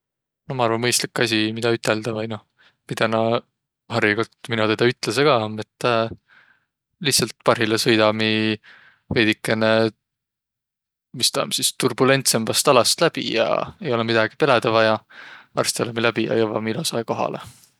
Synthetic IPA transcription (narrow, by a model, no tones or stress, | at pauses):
nomɑɑrvɑnmɤjst̪likːˑɑs̬ʲimid̪ɑyt̪ːˑeld̪̥ɑvɑjno̞ | mid̪̥ɑnɑ | ɦɑriɡolt̪minut̪ed̪̥ɑyt̪ːˑleseɡ̥ɑmet̪ː | liht̪sɑlt̪̚pɑrɦilesɤjd̪ɑmi | ve̞ːd̪̥ikːˑe̞ne | mist̪ɑːmsist̪urbule̞nt̪se̞mbɑst̪ɑlɑst̪læb̥ḭjɑ̰e̞jo̞lɛmid̪̥ɑɡ̥ipe̞led̪ɑvɑjɑɑ̰rst̪elemilæbijɑ̰jɤvɑ̰milosɑjko̞ɦɑ̰le